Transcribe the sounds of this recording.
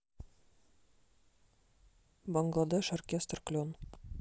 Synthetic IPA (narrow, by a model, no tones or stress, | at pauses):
bɒŋɡlˠad̪eʃorkʲest̪rklʲon